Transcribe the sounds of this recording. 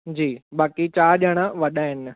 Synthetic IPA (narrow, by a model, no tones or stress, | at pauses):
d͡ʑiːɓaːkit͡ɕaːɗəɽ̃aʋɐɗaːɦɪn̆